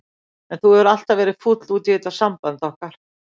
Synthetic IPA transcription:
ɛnθuhɛɾal̥t̪avɛːɾɪð̥fut̪luːt̪ɪɪːt̪aɾsampant̪ɔhkaɾ̥

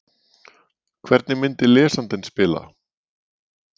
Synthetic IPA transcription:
kʰvɛɾt̪nɪmɪnt̪ɪlɛːsant̪ɪnspɪːla̰

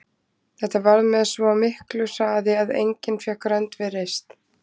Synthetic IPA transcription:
θɛht̪avaɾmɛðsvɔmɪhklʏsaːðɪaðḛjɲcɪnfjɛhkɾœnt̪vɪrejst̪

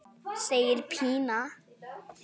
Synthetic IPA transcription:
sejəɾpʰiːna

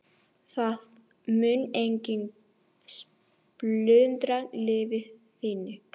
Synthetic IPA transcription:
θað | mʏnejɲcɪn | s | plʏːnt̪ɾalɪːvɪθiːnːʏ

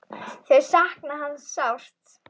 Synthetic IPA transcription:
θɛɾ̥sahknaɦanːsawr̥t̪

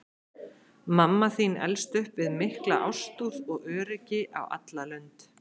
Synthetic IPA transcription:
mamːaθinɛ̰lst̪ʏhpvɪðmɪhklaʔa̰wst̪uːðɔɣœːɾɪcɪʔa̰wa̰t̪lalœɥnt̪

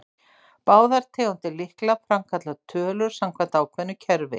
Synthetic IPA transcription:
paːwðaɾ̥t̪ʰeːɣɔnt̪ɪlɪhklafɾamkʰat̪lat̪ʰœːlʏɾ̥samkʰvant̪aːwkʰvɛnʏcʰɛɾvɪ̰

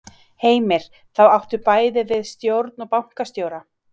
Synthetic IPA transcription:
heːjmɪɾ̥ | θawawht̪ʏɾpaːjðɪvɪðst̪jowɾt̪nɔpawŋ̥kast̪joːwɾa

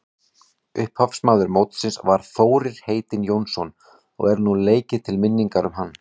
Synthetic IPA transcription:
ʏhphœfsmaːðʏɾmowt̪sɪnsvaɾ̥θoːwɾɪɾ̥heːjt̪ɪnjownsɔn | ɔ̰ɣɛɾnuleːjcɪt̪ʰɪlmɪnːiŋkaɾʏmɦanː

